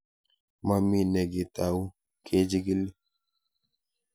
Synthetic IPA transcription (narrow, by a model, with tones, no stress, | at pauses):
ma˨mi˨nɛ˨ɡe˨t̪a˨u˦ | kʰe˦d͡ʒi˦ɡi˦li˦